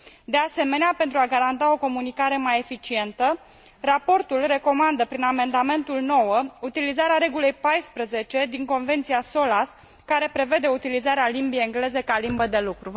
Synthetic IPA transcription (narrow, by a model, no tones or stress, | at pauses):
d̪e̞ase̞me̞neape̞nt̪ɾuaɡaɾant̪ao̞ko̞munikaɾe̞maje̞fit͡ʃie̞nt̪ə | rapo̞rt̪ulre̞ko̞mand̪əpɾiname̞nd̪ame̞nt̪ulno̞wəut̪ilizaɾeaɾe̞ɡule̞jpajspɾəze̞t͡ʃe̞d̪iŋko̞nve̞nt̪sijaso̞las | kaɾe̞pɾe̞ve̞d̪e̞ut̪ilizaɾealimbieeŋɡle̞ze̞kalimbəd̪e̞lukɾu